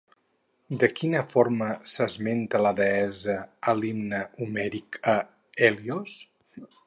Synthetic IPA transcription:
d̪əkinəfoɾməsəzment̪ələðəɛzəəlimnəumɛɾikə | ɛlios

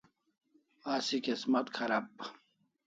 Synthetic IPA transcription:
aːsikismɐt̪kʰɐɾɐp̚

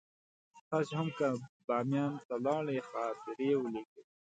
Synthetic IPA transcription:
xashʊmkabɑːmjɑːnt̪alɑːɭexɑːt̪ɪɾeːwəleke

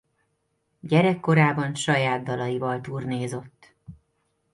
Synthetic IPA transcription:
ɟɛɾɛkːo̞ɾaːbɒnʃɒjaːd̪̚d̪ɒlɒjivɒlt̪uːrneːzo̞t̪ː

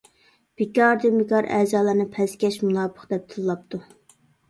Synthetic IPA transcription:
b̥ikʲɑɾd̪imɪkɑɾʔæ̰zɑːlˠɨɾnɨpʰɛskʲɛʃmunɑːbʰə̥χd̪ɛp̚t̪ʰɨlˠlˠɑp̚t̪ʰu

